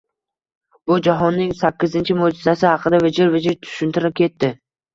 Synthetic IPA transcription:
b̥ʊd͡ʒaɦɒnːɪŋsakʲːɪzɪnt͡ʃʰɪmod͡ʒɪzasɪhɑqʰɨd̪avɪd͡ʒɪɾvɪd͡ʒɪɾt̪ʰʊ̥ʃʊnt̪ʰɪɾɪp̚kʲe̞t̪ʰːɪ

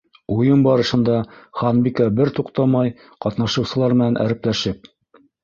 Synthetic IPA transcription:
ujɤmbɑɾɤ̆ʃɤ̆nd̪ɑχɑnbikɑbɘɾt̪uqt̪ɑmɑj | qɑt̪nɑʃɤ̆wsɤ̆lˠɑɾmɘ̆nænʔæ̰ɾɘ̆plæʃɘp̚

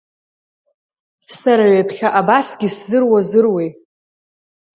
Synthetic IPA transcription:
saɾaɥapʰχʲaʔabasɡʲiszɨrwazɨrwej

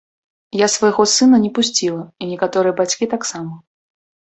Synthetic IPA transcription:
jasvɐjɣɔsɨnɐnʲɛpusʲt͡sʲilˠɐinʲɛkat̪ɔɾɨjɛbat͡sʲkʲit̪aksamɐ

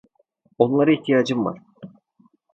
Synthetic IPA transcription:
o̞nlˠaɾɯiçt̪ʰijaːd͡ʒɯmva̰ɾ̥

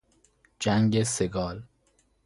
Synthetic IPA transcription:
d͡ʒæŋɟeseɡɒːl

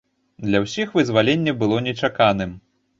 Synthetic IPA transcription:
d̪lʲɐwsʲixvɨzvalʲenʲːɐbɨlˠɔnʲɛt͡ʂakanɨm

